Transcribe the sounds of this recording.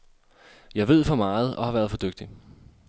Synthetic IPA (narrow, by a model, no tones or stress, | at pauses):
jɑ̈ɪʋe̝ð̞̰ˠfɒ̽mɑ̈ːð̩ˠʔɒ̽hɑ̈ʋæːɐð̞ˠfɒ̽d̥øɡ̥̚d̥i